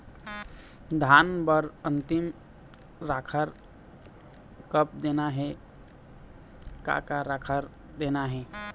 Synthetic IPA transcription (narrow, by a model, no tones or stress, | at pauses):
d̪ʱanbəɾənt̪im | ɾakʰəɾ | kəp̚d̪enaɦɛ | ka̰kaɾakʰəɾ | d̪enaɦɛ